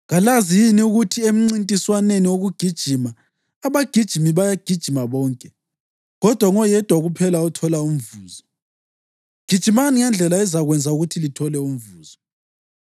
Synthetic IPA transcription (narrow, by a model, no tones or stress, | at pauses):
ɣalazijiniuɣutʰiem̩ŋ͡ǀintʼiswaneniwoɣuɡ̥ʱid̥ʒ̥ʱimaː | βaɡ̥ʱid̥ʒ̥ʱimiβajaɡ̥ʱid̥ʒ̥ʱimaβɔːŋkʼɛ | ɣɔd̥ʱwaŋɔjɛd̥ʱwaɣupʰɛlautʰɔlaum̩vuːzɔ | ɡ̥ʱid̥ʒ̥ʱimaniŋɛnd͡ɮʱɛlaɛzaɣwɛnd͡zʱauɣutʰilitʰɔlɛum̩vuːz̥ɔ